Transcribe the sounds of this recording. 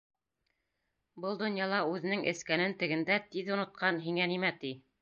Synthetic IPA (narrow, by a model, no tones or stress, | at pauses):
bɤlˠd̪ŏnjɑlˠɑʉðɘ̆nɘŋʔɘ̰̆skænɘnt̪ɘ̆ɡɘ̆nd̪æt̪iðunŏt̪̚qɑnɦiŋænimæt̪i